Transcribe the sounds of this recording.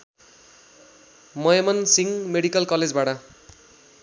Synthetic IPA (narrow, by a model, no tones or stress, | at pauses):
mʌjemʌnsiŋmeɽikʌlkʌled͡zbaʈʌ